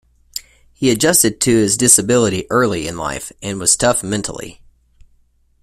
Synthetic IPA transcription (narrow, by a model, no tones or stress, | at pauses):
hiɨd͡ʒʌstɨd̚tʰɨɪzdɪsɨbɪlˠəɾiʔɜ˞lˠiɨ̃nla̰ɪfɨ̃nwʌz̥tʰʌfmɛ̃ntʰl̩ˠḭ